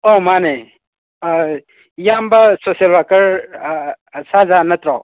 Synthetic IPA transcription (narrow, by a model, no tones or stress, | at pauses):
omane | jambɐsosjelwakɐɾ | sazanɐt̪ɾaw